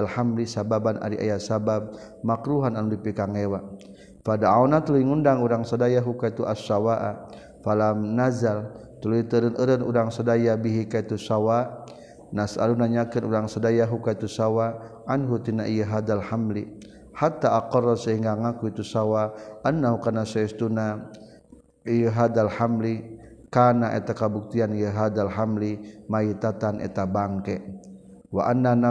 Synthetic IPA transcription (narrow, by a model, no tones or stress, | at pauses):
alhamlisababana̰ɾiʔa̰jasabab̚ | makɾuɦananudipikaŋewa | fadaawnat̪ulujiŋundaŋuɾaŋsadajaɦukait̪uʔasawaʔa | falamnazal | t̪uluit̪əɾənʔəɾənuɾaŋsadajabiɦikait̪usawa | nasa̰lunaɲakənuɾaŋsadajaɦukait̪usawaʔanɦut̪inaʔijəɦad̪alhamli | hat̪aʔːqɔrɔsaɦiŋɡaŋakuit̪usawaanːahukanasɛst̪una | ijəɦad̪alhamli | kanaʔḛt̪akabuk̚t̪ianijəɦad̪alɦamlimait̪at̪anʔɛ̰t̪abaŋkɛ | waʔanːana